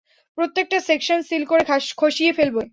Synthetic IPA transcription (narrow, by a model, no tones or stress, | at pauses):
pɾot̪ːek̚ʈasekʃonsilkoɾekʰoʃiefelbo